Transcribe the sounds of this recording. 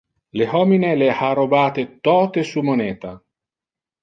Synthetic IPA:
lehɔːminelehaɾobaːt̪et̪ɔːt̪esumonɛːt̪a

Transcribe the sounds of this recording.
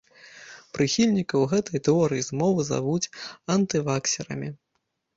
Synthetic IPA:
pɾɨxʲilʲnʲikɐwɣɛt̪ɐjt̪ɛɔɾɨjizmɔvɨza̰vut͡sʲɐnt̪ɨvaksʲɛɾɐ̰mʲi

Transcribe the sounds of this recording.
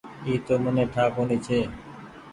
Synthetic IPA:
iːt̪oːmoneːʈʰaːkoniːt͡ʃʰeː

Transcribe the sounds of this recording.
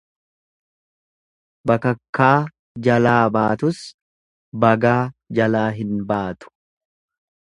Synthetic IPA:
bɐkɐkːaː | d͡ʒɐlaːbaːt̪ʊs | bɐɡaːd͡ʒɐlaːɦɪnbaːt̪ʊ̥

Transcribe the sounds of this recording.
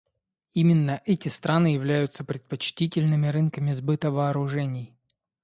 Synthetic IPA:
imʲɪnːəʔɛtʲɪst̪ɾʔanɨjɪvlʲæjʊt̪səpɾʲɪt̪̚pɐt͡ɕtʲitʲɪlʲnɨmʲɪɾɨnkəmʲɪzbɨt̪əvɐːɾʊʐɛnʲɪj

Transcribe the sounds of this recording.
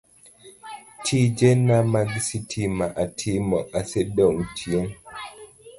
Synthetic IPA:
tʰid͡ʒɛnːamaɡisitʰimaʔatʰimɔasɛdɛuntʰiɛn

